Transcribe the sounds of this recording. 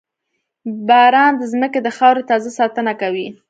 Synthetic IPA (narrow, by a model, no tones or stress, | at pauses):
bɑɾɑnd̪əzməked̪əxɑwɾet̪ɑzasɑt̪ənakawi